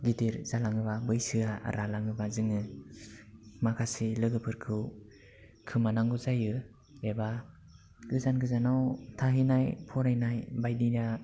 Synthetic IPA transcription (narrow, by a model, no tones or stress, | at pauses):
ɡidiɾzalaŋɯβabɯjsɯaɾalaŋɯbazɯŋɯ | makʰasilɯɡɯpʰɯɾkʰɯw | kʰɯmanaŋɡɯzajɯ | eba | ɡ̥ɯzanɡɯzanawtʰaɦinajpʰɔɾajnajbajdina